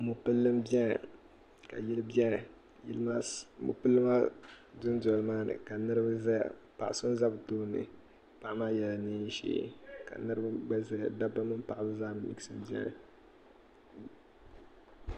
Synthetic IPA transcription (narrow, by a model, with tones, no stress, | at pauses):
mu˨pɨ˦lːɨ˦mbɛ˦n˨ | ka̰˨ji˦lbɛ˦nɨ˨ | ji˦lma˦mṵ˨pɨ˦lːɨ˦ma˦dʊ˦ndɔ˨lɨ˨maː˦nɨ̰˨ka˨nɨ˦ɾɨ˦bɨ˦zɛ˦a̰˨ | pa˨ʔa˨sʊ˦n˦za˦bɨ˨toː˦˨nɨ̰˨ | pa˨˦maː˦jɛ˨la˨nɨ˦ʃḛ˦ka̰˨nɨ˦ɾɨ˦bɨ˦ɡ͡bɛ˦zɛ˦a˨da˦ba˦mɨ˦m˦pa˨ʔa˨bɨ˦zaː˦mɨ˨˦li˦ksɨ˦m˦bi˦ɛ̰˦nɨ˨